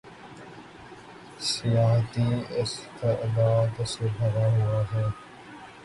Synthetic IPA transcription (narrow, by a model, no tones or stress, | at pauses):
sijaːɦt̪iːɪst̪eʔd̪aːd̪sebʱɐɾaɦʊaɦɛː